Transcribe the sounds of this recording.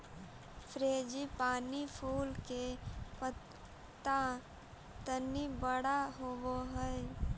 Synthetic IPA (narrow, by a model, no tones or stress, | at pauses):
pʰɾeːd͡ʒipaːnipʰuːlkepə | t̪a | t̪ənibəɽaɦowoɦɛ